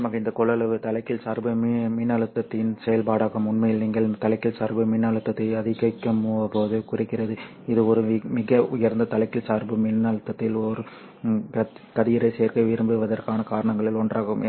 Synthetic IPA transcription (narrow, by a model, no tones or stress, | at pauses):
ɐmaːɣɐɪnd̪ɐkɔɭːɐlɐʋɯt̪ɐlɐɪkːɪlsaːɾbɯmmɪnːɐɭɯt̪ːɐt̪ːɪnsɛjɐlpaːɽaːɣɯmʊnmɐjɪlniːŋɡɐɭt̪ɐlɐɪkːɪlsaːɾbɯmɪnːɐɭɯt̪ːɐt̪ːɐɪɐðɪɣɐɪkːɐmːuːɐpːoːðɯkʊrɪkːɪrɐðɯ | ɪðɯɔɾɯmɪɣɐʊjɐɾnd̪ɐt̪ɐlɐɪkːɪlsaːɾbɯmɪnːɐɭɯt̪ːɐt̪ːɪlɔɾɯ | kɐkɐðɪjɪɾɐɪseːɾkɐʋɪɾɯmbɯʋɐðɐrkaːnɐkaːɾɐɳɐŋɡɐɭɪlɔɳdraːɣɯm